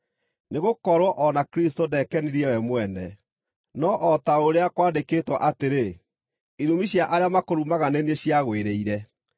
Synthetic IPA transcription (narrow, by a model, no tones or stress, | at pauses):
neɣokɔɾwɔʔɔnakɾistodɛkɛniɾiɛwɛmwɛnɛ | nɔʔɔtaoɾeakwaːndekeːtwaʔateɾe | iɾumiɕjaʔaɾeamakoɾumaɣaneneɕjaɣweɾeiɾɛ